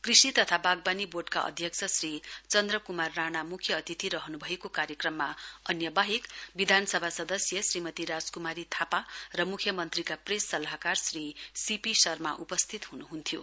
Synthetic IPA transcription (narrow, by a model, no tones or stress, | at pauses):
krisit̪ʌt̪ʰabaɡ̚baniborɖka̰ʔʌ̰d̪ʱjʌk̚t͡sʰʌsrit͡sʌnd̪rʌkumarːanamukʰjʌːt̪it̪iɾʌɦʌnubʱʌekokaɾjʌkrʌmːaʌnjʌbaɦekbid̪ʱanʌsʌbʱasʌd̪ʌsjʌsrimʌt̪iɾad͡zkumaɾit̪ʰaparʌmukʰjʌmʌnt̪rikapresːʌlaɦakarsrisipisʌrmaʔupʌst̪ʰit̪ɦunuɦunt̪ʰijo̰